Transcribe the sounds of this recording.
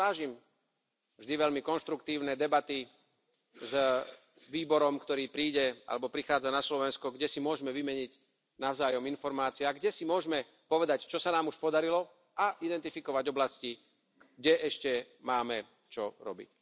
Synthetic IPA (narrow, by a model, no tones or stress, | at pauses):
aːʒim | vʒd̪iʋɛʎmikɔnʃt̪ɾukt̪iːʊnɛːd̪ɛbat̪i | z | ʋiːbɔɾɔmkt̪ɔɾiːpɾiːɟɛʔa̰lɛbɔpɾixaːd͡zanaslɔʋɛnskɔɡɟɛsimʊɔʒmɛʋimɛɲiɟ | naʊzaːjɔminfɔɾmaːt͡siaɡɟɛsimʊɔʒmɛ | pɔʋɛd̪act͡ʃɔsanaːmuʃpɔd̪aɾilɔ | aʔid̪ɛnt̪ifikɔʋaɟɔblasci | ɡ̚ɟɛʔɛʃcɛ | maːmɛ | t͡ʃɔɾɔ̰bḭc